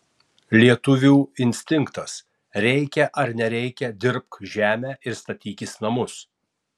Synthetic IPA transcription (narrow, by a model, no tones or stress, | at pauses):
lʲiɛt̪ʊʋʲuːɪnʲsʲt̪ʲɪŋkt̪ɐs | ɾʲɛɪkʲɛʔɐɾnʲɛɾʲɛɪkʲɛd̪ʲɪɾp̚k̪ʒʲæːmʲæːʔɪɾst̪ɐt̪ʲiːkʲɪsnɐmʊs